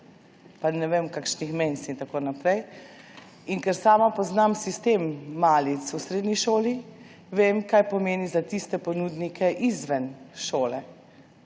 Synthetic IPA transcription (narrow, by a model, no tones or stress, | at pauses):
panɛʋemkakʃnixmensint̪akoːnapɾɛj | iŋkɛɾsaːmapɔznamsist̪eːmːaːlit̪susɾeːd̪niʃoːli | ʋeːmkajpɔmeːnizat̪ist̪ɛpɔnud̪nikʰɛʔizʋɛnʃoːlɛ